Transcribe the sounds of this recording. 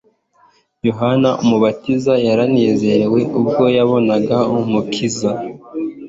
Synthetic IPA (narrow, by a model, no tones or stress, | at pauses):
joɦanaʔumuβatizajaɾaneːze̞ɾe̞we̞ʔubɡo̞jaβo̞naɡaumukʰiza